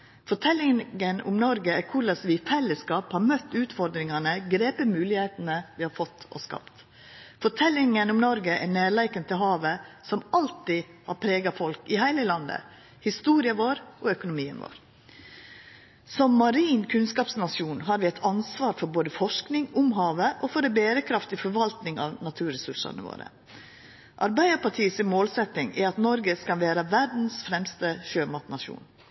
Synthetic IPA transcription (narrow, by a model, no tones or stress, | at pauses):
fɔʈʰɛlːɪənʊ̰mnɔɾɡəɛkʰʊɾɭɑsʋɪfɛlːəskɑːphɑɾmœt̪ːʉːt̪fɔɾd̪ɾɪŋɑnəɡɾeːpəmʉːlɪheːt̪nəʋɪhɑɾfɔt̪ːɔ̰skɑ̰pt̪ | fɔʈʰɛlːɪŋənʊmnɔɾɡəʔɛneːɭæɪkənt̪ʰɪlɦɑːʋəsɔmɑlt̪ɪhɑ̰ɾpʰɾeːɡɑfɔlkɪhæɪləlɑnd̪ə̰ | hɪst̪uːɾɪəʋoːɾʔɔœkʊnʊmiːə̰nʋo̰ːɾ | sɔmːɑɾiːnkʰʉnskɑːpsnɑsuːnɦɑːɾʋɪɛɪt̪ʰɑnsʋɑːɾfɔɾboːd̪əfɔʂknɪŋʊmɦɑːʋəʔɔfɔɾɛbeːɾəkʰɾɑft̪ɪfɔɾʋɑlt̪nɪŋɑ̰ːʋnɑt̪ʰʉːɾɛsʉʂɑ̰nə̰ʋo̰ːɾə̰ | ʔɑɾbæɪd̪əɾpɑʈʰiːsmoːlsɛt̪ːɪŋæɾɑt̪nɔɾɡəskɑnʋæːɾəʋæɖn̩sfɾɛmst̪əʃøːmɑt̪nɑʂṵːn